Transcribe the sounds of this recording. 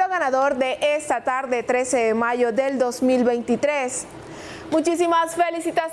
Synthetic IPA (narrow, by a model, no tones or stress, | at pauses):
oɣanaðoɾðeʔest̪at̪aɾðet̪ɾe̞seðemaʝoðeld̪osmilβejnt̪it̪ɾes | mut͡ʃisimasfelisit̪as